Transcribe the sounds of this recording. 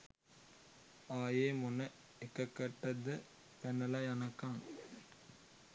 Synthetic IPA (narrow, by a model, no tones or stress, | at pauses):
aːjeːmʊnɐ | ɛkːɐkːɐʈːɐðɯ | pɛnːɐlaːjɐnɐkːaːŋ